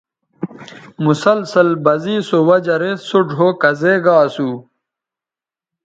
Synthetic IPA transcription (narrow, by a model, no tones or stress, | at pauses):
musɐlsɐlbɐziːsowɐd͡ʑɐɾesuʈ͡ʂɦokɐzeːɡaːsuː